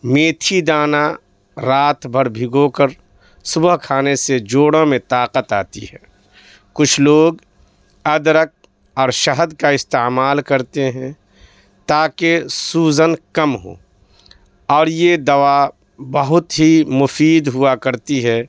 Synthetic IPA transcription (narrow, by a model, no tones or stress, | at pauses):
meːt̪ʰid̪aːna | ɾaːt̪ʰbʱəɾbʱiɡoːkəɾ | sʊbəɦkʰaːnesed͡ʒoːɽõmẽt̪aːqət̪aːt̪iɦɛː | kʊt͡ʃʰloːɡ | ɐd̪ɾək̚ | ɔːɾʃəɦəd̪kaɪst̪emaːlkəɾt̪eɦɛ̃ | t̪aːkesuːzənkɐmɦo̰ː | ɔːɾjed̪ɐwa | bəɦʊt̪ɦimʊfiːd̪ɦʊakɐɾt̪iɦɛː